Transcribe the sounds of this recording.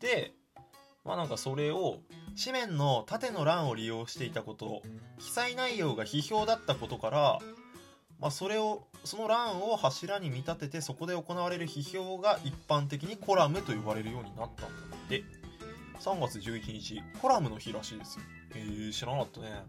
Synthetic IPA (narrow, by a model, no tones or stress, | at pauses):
d̪̥e̞ | mʔa̰nãŋkaso̞ɾe̞o̞ɕimẽ̞nːo̞t̪at̪e̞no̞ɾãɰ̃o̞ɾʲijo̞ːɕi̥t̪e̞it̪ako̞t̪o̞kʲi̥sainaijo̞ːɡaçiço̞ːd̪at̪ːako̞t̪o̞kaɾa | maso̞ɾe̞o | so̞no̞ɾãɰ̃o̞haɕiɾaɲ̟imʲit̪at̪e̞t̪e̞so̞ko̞d̪e̞o̞ko̞naβ̞aɾe̞ɾɯ̟çiço̞ːɡaʔipːãnt̪e̞k̬ʲiɲ̟ikʰo̞ɾamɯ̟t̪o̞iβaɾe̞ɾɯ̟jo̞ːɲ̟inat̪ːa̰nd̪̥e̞ | sãŋɡat͡sɨʑɨːit͡ɕiɲ̟it͡ɕiko̞ɾamɯ̟noçiɾaɕiːd̪e̞sɨ̥o | eːɕiɾãnat̪ːane̞